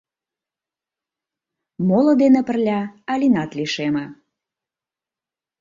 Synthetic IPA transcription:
molə̆d̪enĕpə̆rlʲɑːlʲinɑt̪liʃemə̆

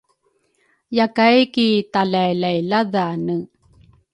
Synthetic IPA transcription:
jakajkit̪alajlajlaðaːnə

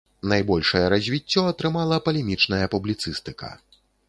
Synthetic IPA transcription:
najbɔlʲʂɐjɐɾɐzʲvʲit͡sʲːɔɐt̪ɾɨmalˠɐpɐlʲɛmʲit͡ʂnɐjɐpublʲit̪sɨst̪ɨkɐ̰

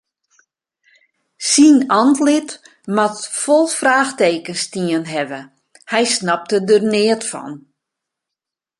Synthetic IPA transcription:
sinɔntlɪt | matfɔlˠfraːxteːkənstiənɦɛʋə | hɛjsnap̚tədərnɪətfɔ̰n

